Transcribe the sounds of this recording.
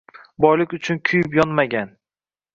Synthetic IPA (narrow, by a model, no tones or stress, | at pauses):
bɒjlˠɪkʲʊt͡ʃʰʊnkʲʰʊjɪpjɒnmaɡʲan